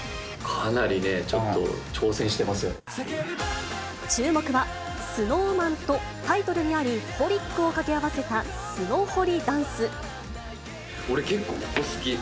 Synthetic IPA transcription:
kʰanaɾʲine̞t͡ɕo̞t̪ːo̞̰t͡ɕo̞ːsẽ̞ɰ̃ɕi̥t̪e̞masɨjo | t͡ɕɨːmo̞kɯ̟βa | sɨno̞ːmãnt̪o̞ | t̪ait̪o̞ɾɯ̟ɲ̟iaɾʲiho̞ɾʲikːɯ̟o̞kakʲe̞aβase̞t̪a | sɨno̞ːho̞ɾʲid̪ãɰ̃sɨ | o̞ɾe̞ke̞kːoːko̥kːosɨɡʲi

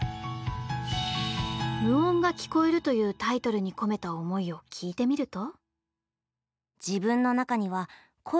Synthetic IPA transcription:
mɯ̟õ̞ŋɡakʲi̥ko̞e̞ɾɯ̟t̪o̞jɯ̟ːt̪ait̪o̞ɾɯ̟ɲ̟iko̞me̞t̪aomo̞io̞kʲʰiːt̪e̞mʲiɾɯ̟t̪o̞ | d͡ʑibɯ̟̃nːo̞nakaɲ̟iβ̞a | kʰo

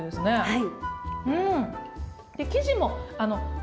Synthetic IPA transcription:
d̪e̞sɨne̞haiɯ̟̃ɴ | d̪̥e̞kʲiʑimo̞ano̞

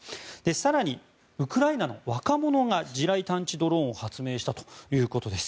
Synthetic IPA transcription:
d̪̥e̞saɾaɲ̟i | ɯ̟kɯ̟ɾainano̞βakamo̞no̞ŋad͡ʑiɾait̪ãɲ̟t͡ɕid̪o̞ɾõ̞ohat͡sɨme̞ːɕi̥t̪at̪o̞̥jɯ̟ːko̞t̪o̞d̪e̞sɨ̥

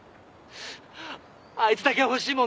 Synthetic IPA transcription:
ait͡sɨ̥t̪akehoɕiːmõ

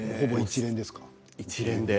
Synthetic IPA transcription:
ho̞bo̞it͡ɕiɾẽ̞nd̪e̞sɨ̥kḁ | it͡ɕiɾẽ̞nd̪e

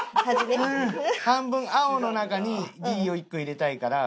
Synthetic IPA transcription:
haimeɯ̃hãmbɯ̟̃ɰ̃ao̞no̞nakaɲ̟iɡʲiːo̞ikːɯ̟iɾe̞t̪aikaɾa

